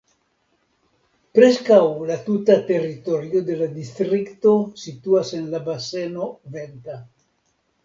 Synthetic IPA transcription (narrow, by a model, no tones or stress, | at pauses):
pɾeskawlat̪ut̪at̪erit̪oɾjod̪elad̪ist̪ɾikt̪osit̪uasenlabasenovent̪a